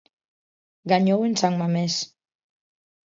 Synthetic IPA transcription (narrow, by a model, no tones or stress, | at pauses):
ɡaɲowensaŋmames